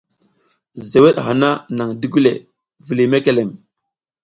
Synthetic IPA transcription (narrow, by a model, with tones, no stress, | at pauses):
ze˨we˦ɗɦa˨na˦na˨ŋdi˦ɡu˦le˨ | vi˨li˨me˦ke˨le˨m